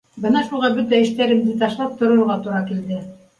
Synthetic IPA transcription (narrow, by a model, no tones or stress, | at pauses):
bɤnɑʃulˠʁɑbɵt̪æɘ̆ʃt̪æɾɘ̆md̪ɘt̪ɑʃlˠɑp̚t̪ŏɾŏɾʁɑt̪uɾɑkild̪ɘ